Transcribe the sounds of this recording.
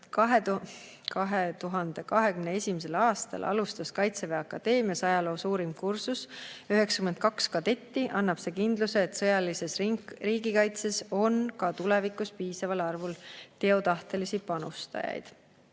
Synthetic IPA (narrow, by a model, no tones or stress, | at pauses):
kɑɦe | kɑɦet̪uɦɑnd̪̥e̞kɑɦe̞kymne̞e̞sʲimise̞lɑːst̪ɑ̰lʔɑ̰lust̪ɑskɑjt̪se̞veɑkːˑɑd̪̥e̞ːmiɑsɑjɑlo̞ːsuːɾimkursusyɦe̞ksɑ̥kymed̪̚kɑkskɑd̪e̞t̪ːiʔɑnːɑb̥se̞ːkind̪luse̞ːt̪sɤjɑlise̞sriːɡikɑjt̪se̞so̞nkɑt̪ule̞vikˑuspiːsɑvɑlɑrvult̪e̞o̞t̪ɑht̪e̞lisipɑnust̪ɑ̰jɑ̰jd̪̥